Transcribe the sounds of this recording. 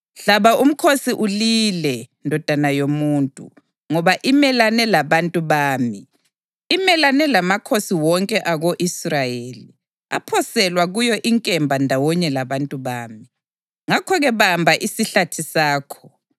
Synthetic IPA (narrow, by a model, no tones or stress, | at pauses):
ɬaβaʔum̩kʰosiʔulilɛ | ndʱɔd̥ʱanajomuːntʼṵ | ŋɔβaʔimɛlanɛlaβantʼuβaːmiː | mɛlanɛlamakʰosiwɔŋkʼɛʔaɣoʔisrajeːli | a̰pʰɔsɛlwaɣujɔʔiŋkʼɛmbʱandʱawɔɲɛlaβantʼuβaːmi | ŋakʰɔɣɛβambʱaʔisiɬatʰisaːkʰɔ̥